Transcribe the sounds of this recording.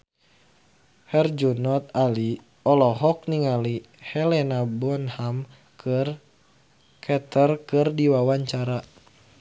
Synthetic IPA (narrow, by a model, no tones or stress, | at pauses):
hɛrd͡ʒunɔt̪ali | ɔlɔɦɔk̚niŋali | hɛlɛnabɔnham | kɨr | kʰɛt̪ərkɨrdiwawaɲt͡ʃaɾa